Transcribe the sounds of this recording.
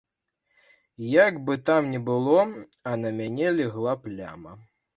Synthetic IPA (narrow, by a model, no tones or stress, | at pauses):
jaɡbɨt̪amnʲɛbɨlˠɔ | ɐnɐmʲanʲɛlʲɛɣlˠaplʲa̰mɐ